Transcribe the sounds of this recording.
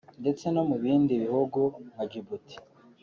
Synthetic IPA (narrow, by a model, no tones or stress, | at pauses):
nde̞t͡se̞no̞muβiːndiβihuɡuhaɟibuti̥